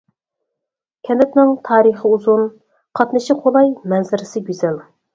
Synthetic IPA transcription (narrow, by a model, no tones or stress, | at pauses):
kʲʰɛnd̪ɪt̪nɪŋt̪ʰɑːɾəχəuzun | qʰɑt̪nɨʃiqʰolˠɑjmɛnzɪɾɪsɪɡʲyzɛl